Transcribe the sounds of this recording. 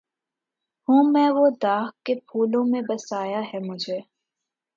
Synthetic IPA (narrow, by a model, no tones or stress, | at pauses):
hũːmɛ̃ʋod̪aːɦkepʰuːlõmẽbɐsaːjaɦɛmʊd͡ʒʱeː